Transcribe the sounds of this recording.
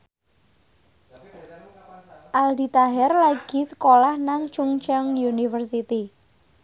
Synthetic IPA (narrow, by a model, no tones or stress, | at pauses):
ʔald̪i̤t̪aɦɛrlaɡ̥i̤sə̥kolahnaŋt͡ʃuŋt͡ʃəŋjunifərs̬it̪i